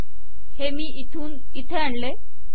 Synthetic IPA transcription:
hemiːit̪ʰuːn | it̪ʰeaɳle

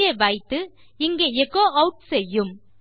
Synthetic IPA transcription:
eʋɐɪt̪ːɯ | ɪŋɡeːɛkːoːʔɐʊʈ̚sɛjːɯm

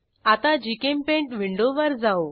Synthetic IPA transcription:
at̪ad͡ʑikempẽɳʈʋiɳɖoʋəɾd͡zao

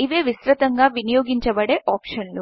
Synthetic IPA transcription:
iʋeːʋisɾɐt̪ɐŋɡaːʋinijoːɡiɲt͡ʃɐbɐɽeːʔaːpʂɐnlu

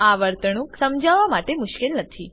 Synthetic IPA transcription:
aʋəɾt̪əɳ̃ũksəmd͡ʒaʋamaʈemʊʃkelnət̪ʰi

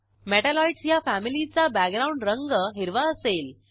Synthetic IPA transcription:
meʈælɔiɖsjafæmilit͡sabæɡɾauɳɖɾəŋɡəɦiɾʋaəsel

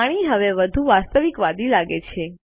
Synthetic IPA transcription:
ɽ̃iɦəʋeʋəd̪ʱuʋast̪əʋikʋad̪ilaɡet͡ʃʰe

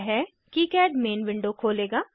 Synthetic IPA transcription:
ɦɛ | kikɛːɖmeːnʋɪ̃ɳɖokʰoːleːɡaː

